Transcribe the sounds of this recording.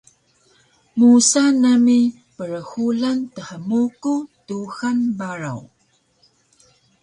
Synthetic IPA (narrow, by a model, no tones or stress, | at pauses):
musanami | pəɾəxulantəħəmukutuxanbaɾa̰w